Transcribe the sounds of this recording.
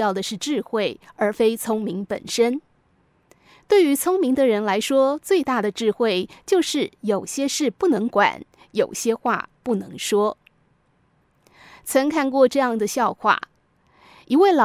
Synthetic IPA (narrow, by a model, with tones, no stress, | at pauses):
jɑ˥˩ʊd̪ə˩ʂɻ̩˥˧ʈ͡ʂɻ̩˥˧xwe˥˩ɪə˞˧˥fe˥ɪt͡sʰʊ˥ŋmi˧˥ŋpə̰˨˩nʂə˥n | t̪we˥˩ɪy˧˥t͡sʰʊ˥ŋmi˧˥ŋd̪ə˧ɻə˧˥nla˧˥ɪʂwɔ˥t͡swe˥˧ɪt̪a˥˩d̪ə˩ʈ͡ʂɻ̩˥˧xwe˥˩ɪt͡ɕjo˥˧ʊʂɻ̩˥˩jo˨˩ʊɕjɛ˥ʂɻ̩˥˩pu˥˩nɤ˧˥ŋkwa̰˨˩˦n | jo˨˩ʊɕjɛ˥xwa̰˥˧pu˥˩nɤ˧˥ŋʂwɔ˥ | t͡sʰɤ˧˥ŋkʰa˥˧nkwɔ˥˧ʈ͡ʂɤ˥˧jɑ˥˩ŋd̪ə˩ɕjɑ˥˧ʊxwa̰˥˩ | i˧˥we˥˩ɪlɑ˨